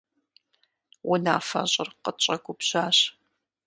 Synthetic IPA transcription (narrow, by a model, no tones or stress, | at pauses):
wʊnaːfɐ̰ɕʼɪrqət͡ʃʼɐɡʷʊpɕaːɕ